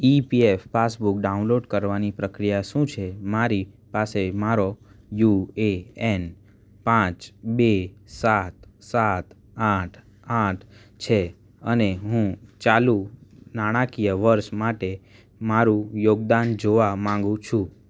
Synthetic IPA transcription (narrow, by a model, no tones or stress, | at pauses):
ipiefːasbuk̚ɖaũnloɖkəɾʋanipɾəkɾijaʃũt͡ʃʰemaɾipasemaɾojueen | pãt͡ʃbesat̪sat̪ | aʈʰ | aʈʰ | t͡ʃʰe | əneɦũt͡ʃalunaɽ̃akijəʋəɾʃmaʈe | maɾũjoɡd̪and͡ʒoʋamãŋɡũt͡ʃʰũ